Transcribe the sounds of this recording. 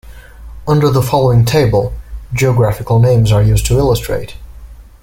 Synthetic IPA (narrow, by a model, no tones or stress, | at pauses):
ʌ̃ndə˞ðəfɑlˠoʊɪ̃ŋtʰeɪbəl̩ˠd͡ʒiɨɡɹæfɨkl̩ˠnẽɪ̃mzə˞jʉztʰəɪlˠəstʰɹ̥ḛɪt